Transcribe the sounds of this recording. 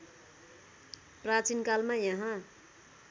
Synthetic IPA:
prat͡sinkalmajʌɦã

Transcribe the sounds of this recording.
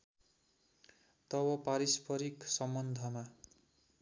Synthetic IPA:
t̪ʌwʌpaɾispʰʌɾiksʌmbʌnd̪ʱʌma

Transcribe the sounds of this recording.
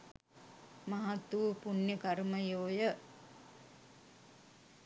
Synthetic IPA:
maɦat̪ːuʋpunjəkaɾməjoːjə

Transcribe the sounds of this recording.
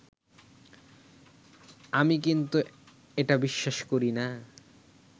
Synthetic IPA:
amik̬int̪u | eʈabiʃːaʃkoɾina

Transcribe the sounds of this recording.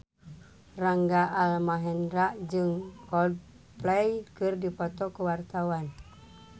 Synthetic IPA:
raŋɡaʔalmaɦɛndɾaʔd͡ʒɨŋkɔd | plɛjkɨrdipɔt̪ɔkəwart̪awan

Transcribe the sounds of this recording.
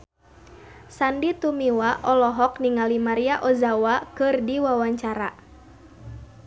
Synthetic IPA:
sandit̪umiwaʔɔlɔɦɔk̚niŋalimaɾiaʔɔzawakɨrdiwawaɲt͡ʃaɾa̰

